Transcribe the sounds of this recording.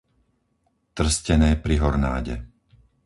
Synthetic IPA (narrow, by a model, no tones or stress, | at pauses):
t̪r̩scɛnɛːpɾiɦɔɾna̰ːɟɛ̰